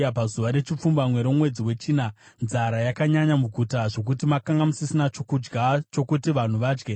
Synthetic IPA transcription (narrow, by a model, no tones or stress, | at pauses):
apazuʋaɾe̞t͡ʃip͡fumbamwe̞ɾomwe̞d͡ziwe̞t͡ʃiːna | nzaɾajakaɲaɲamuɡʱutaʐo̞k̬utimakaŋɡamusisinat͡ʃokud͡ʒɡat͡ʃo̞kutiʋan̤uʋaːd͡ʒɡe̞